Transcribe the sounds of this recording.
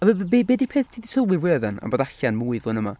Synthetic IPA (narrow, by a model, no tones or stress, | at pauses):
avəbbeːbeːdipʰeːθtʰiːdisʰəlˠwɪweːðɛna̰mboːdaɬanmuːɨðʊnəma̰